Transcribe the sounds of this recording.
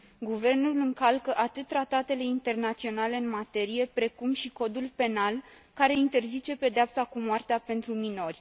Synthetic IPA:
ɡuve̞rnulɨŋkalkəʔat̪ɨt̪̚ːɾat̪at̪e̞le̞int̪e̞rnat̪sio̞nale̞ɨnmat̪e̞ɾije̞pɾe̞kumʃiko̞d̪ulpe̞nalkaɾe̞int̪e̞rzit͡ʃe̞pe̞d̪eapsakumoart̪eape̞nt̪ɾumino̞rʲ

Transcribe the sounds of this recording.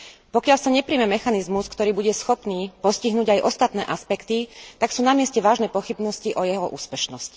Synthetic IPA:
pɔkɪalsaɲɛpɾiːmɛmɛxanizmuskt̪ɔɾiːbuɟɛsxɔpniːpɔsciɦnuːɟajʔɔst̪at̪nɛ̰ːʔaspɛkt̪it̪aksuːnamɪɛscɛʋaːʒnɛːpɔxibnɔsciʔɔjɛɦɔʔṵːspɛʃnɔsc

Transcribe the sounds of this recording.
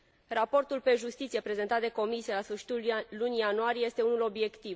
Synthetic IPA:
rapo̞rt̪ulpe̞ʒust̪it̪sije̞pɾe̞zent̪at̪d̪e̞ko̞misielasfɨrʃi̥t̪ulːunijanuaɾijeje̞st̪e̞unulo̞bje̞kt̪iv

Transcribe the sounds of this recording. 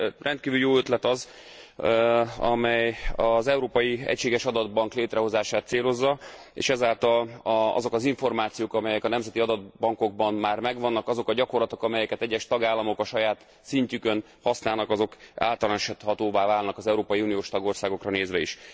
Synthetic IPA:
rɛnt̪̚kiːvyljoːøt̪lɛt̪ɒz | ɒ̰mɛjɒzɛuɾoːpɒjiɛ̰cʃeːɡɛʃɒd̪ɒd̪̚bɒŋkleːt̪rʔɛɦo̞zaːʃaːt̪seːlo̞zːɒ | ḛːʃɛzaːlt̪ɒlɒ̰zo̞kɒziɱfo̞rmaːt̪sijoːkɒmɛjɛkɒnɛmzɛt̪iɒd̪ɒd̪̚bɒŋko̞ɡ̚bɒnmaːrmɛɡvɒnːɒkɒzo̞kɒɟɒko̞rlɒt̪o̞kɒmɛjɛkɛt̪ɛɟːɛʃt̪ɒɡaːlːɒmo̞kɒʃɒjaːt̪ | siɲcykøn | hɒsnaːlnɒkɒzo̞ka̰ːlt̪ɒlɔnʃɛt̪hɒt̪oːvaːvaːlnɒkɒzɛuɾoːpɒiuːnijoːʃt̪ɒɡo̞rsaːɡo̞krɒneːzʋɛiʃ

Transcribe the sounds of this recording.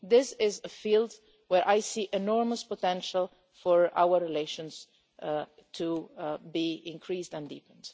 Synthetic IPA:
d̪ɪsɪzəfiːlˠd | wɛɹʔajsiːʔɛnɔɹməspɔtɛ̃nʃəlˠ | fɔɹa̰wəɹɹileʃɔ̃ns | tʰubiɪ̃nkʰɹiːsdɛ̃ndḭːpə̃nd

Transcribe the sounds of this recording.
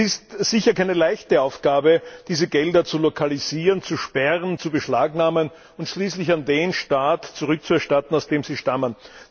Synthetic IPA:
ɪstsɪçɐkʰaɪnəlaɪçtəaʊfɡ̥aːbəd̥iːzəɡɛldɐt͡sulokʰaliziːʁənt͡suʃpɛʁənt͡subəʃlaːɡnaːmən | ʊntʃliːslɪçandeːnʃtaːtt͡suʁʏk̚t͡suɛɐʃtatn̩aʊsd̥eːmz̥iːʃtamən

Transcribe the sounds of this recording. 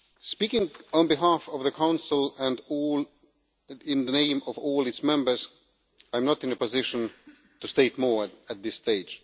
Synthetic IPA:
spikɪ̃ŋə̃nbɨɦafʌvðɨkʰãʊ̃nsl̩ˠɨ̃ndl | ɪ̃nðənẽɪ̃mʌvɔːlˠɨtsmɛ̃mbə˞z | ãɪ̃mnəɾɨ̃nɨpɨzɪʃɨ̃n | tusteɪt̚mɔɹɨt̪̚ðɪsteɪ̥d͡ʒ̥

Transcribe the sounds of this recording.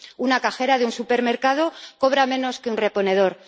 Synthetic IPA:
unakaxe̞ɾaðeunsupe̞ɾme̞ɾkað̞o̞ko̞β̞ɾamẽ̞no̞skeunre̞po̞ne̞ð̞o̞ɾ

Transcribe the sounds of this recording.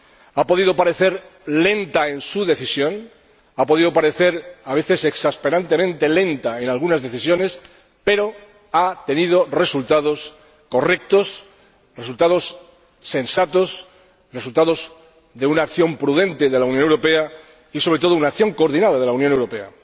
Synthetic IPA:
apo̞ðið̞o̞paɾe̞θe̞ɾle̞nt̪ae̞nsuðe̞θisjõ̞n | apo̞ð̞ið̞o̞paɾe̞θe̞ɾaβe̞θe̞se̞ksaspe̞ɾant̪e̞mẽ̞nt̪e̞lẽ̞nt̪ae̞nalɣ̞unazðe̞θisjo̞ne̞s | pe̞ɾo̞ | at̪e̞nið̞o̞re̞sult̪að̞o̞s | ko̞re̞k̚t̪o̞s | result̪aðo̞sː | e̞nsat̪os | re̞sult̪aðo̞z | ðeunaːkθjo̞mpɾuð̞ẽ̞nt̪e̞ðe̞lauwnjonewɾo̞pe̞a | isoɾe̞t̪o̞ð̞ounakθjo̞ŋko̞ɾð̞inaðaðe̞lawnjone̞wɾo̞pe̞a̰

